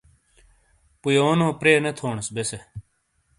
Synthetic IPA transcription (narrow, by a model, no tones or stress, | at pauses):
pujoːnõːpɾeːnet̪ʰoːɳsbese